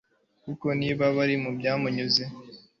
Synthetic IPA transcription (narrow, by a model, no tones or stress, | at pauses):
kuko̞niːβaβaɾimubjaːmuɲuze